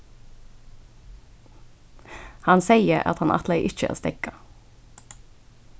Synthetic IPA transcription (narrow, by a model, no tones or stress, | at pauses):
hɑnseɪəɑ̰t̪hɑnʔɑ̰t̪leɪʔɪt͡ʃəæ̰ːst̪ɛkɑ